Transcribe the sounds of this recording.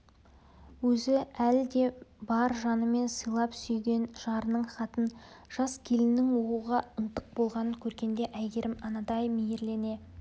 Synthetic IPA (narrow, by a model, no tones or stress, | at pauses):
wɵzɪæld̪e̞bɑɾʒɑnəme̞nsəjlˠɑpsʏjɡʲe̞nʒ̥ɑɾənəɴχɑt̪ən | ʒ̥ɑskʲʰe̞lɪnːɪŋwo̞quʁɑənt̪əq̚bo̞lˠʁɑnəŋkʲʰɵɾɡʲe̞nd̪e̞ʔæjɡʲe̞ɾʔɪmɑnɑd̪ɑjmejeɾle̞ne̞